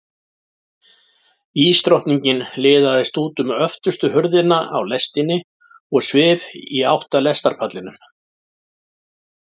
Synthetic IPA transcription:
iːst̪ɾowht̪niɲcɪnlɪːðaðɪst̪uːt̪ʏmœft̪ʏst̪ʏɦœɾðɪnaa̰wlɛst̪ɪnɪ | ɔɣsvɪːðiawht̪alɛst̪aɾ̥pʰat̪lɪnʏm

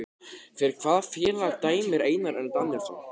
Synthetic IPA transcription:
fɪɾɪɾ̥kʰv̥aːðfjɛːlat̪aːjmɪɾeːjnaɾɛnt̪anːɪɾ̥θa̰w

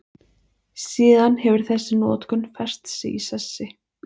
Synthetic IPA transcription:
siːðanhɛvʏɾ̥θɛsːɪnɔːt̪kʏnfɛr̥st̪sɪ̰isɛsːɪ

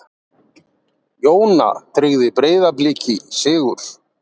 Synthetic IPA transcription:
joːwna̰t̪ʰɾɪɣðɪpɾeːjðaplɪːcɪsɪːɣʏɾ̥

